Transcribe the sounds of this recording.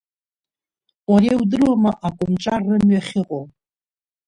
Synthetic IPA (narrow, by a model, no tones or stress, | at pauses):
waɾewdɨrwamaʔakʷʼʊmt͡ʃʼarːɨmɥaχʲɪqʼo